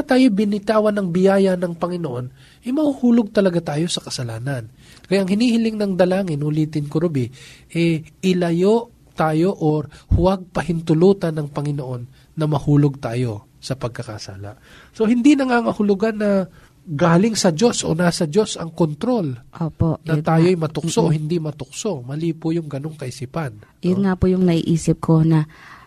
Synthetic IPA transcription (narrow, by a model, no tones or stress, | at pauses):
ɐt̪aːjobɪnɪt̪aːwɐnɐŋbɪjaːjɐnɐŋpɐŋɪnoʔo̞n | ʔɛmɐhuhuːloɡ̚t̪ɐlɐɡat̪aːjo̞sɐkɐsɐlaːnɐn | kɐjaʔɐŋhɪnhiːhɪlɪŋnɐŋd̪ɐlaːŋɪnʊliːt̪ɪnkʊɾʊbiʔɛɪlɐjo̞ʔ | t̪aːjo̞ʔoɾhʊwɐɡ̚pɐhɪnt̪ʊluːt̪ɐnɐŋpɐŋɪnoʔo̞nː | ɐmɐhuːloɡ̚t̪aːjo̞ | sɐpɐɡ̚kɐka̰sa̰ːla̰ʔ | so̞hɪnd̪inɐŋaːŋɐhʊlʊɡanːɐ | ɡaːlɪŋsɐd͡ʒo̞sʔo̰nasɐd͡ʒo̞sʔɐŋkont̪ɾo̞lʔoːponɐt̪aːjoɐjmɐt̪ʊksoʔohɪnd̪imɐt̪ʊk̚so̞mɐliːpʊjʊŋɡɐno̞ŋkɐʔɪsipɐnjonŋapʊjʊŋnɐʔḭʔiːsɪp̚kʰonɐ